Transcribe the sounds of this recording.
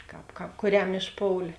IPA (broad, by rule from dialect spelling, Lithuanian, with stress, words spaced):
ˈkɑːp ˈkɑːp kʊˈrʲɛm ɪʃˈpoːʊlʲeː